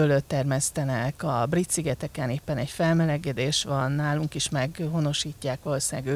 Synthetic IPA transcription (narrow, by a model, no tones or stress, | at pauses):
øløt̪ːɛrmɛst̪ɛnɛkɒbrit̪siɡɛt̪ɛkɛneːpːɛnɛcfɛlmɛlɛɡɛd̪eːʃʋɒnːaːluŋkiʃmɛɡɦo̞no̞ʃiːcːaːkʋɒlosaːɡøː